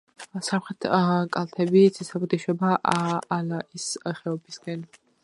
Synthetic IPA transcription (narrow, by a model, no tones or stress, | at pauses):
samχɾɛt̪ʰkʼalˠt̪ʰɛbit̪sʰisapɔt̪ʰiʃɔbaʔaːlaʔisχɛɔbisɡɛn